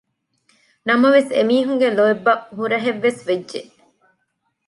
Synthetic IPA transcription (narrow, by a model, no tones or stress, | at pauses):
nɐmɐʋesḛmiːɦuŋɡeloebːɐʔɦuɾɐɦeʋːesʋedʒeʔ